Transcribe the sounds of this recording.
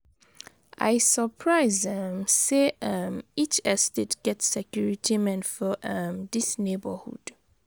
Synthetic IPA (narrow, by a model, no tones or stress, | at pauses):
ʔa̰ɪsəpʰɹaɪzʌmseʌmit͡ʃɛstetɡ̥ɛtsɛkjuɹitʰimɛ̃nfɔʌmdisnebəhṵd̥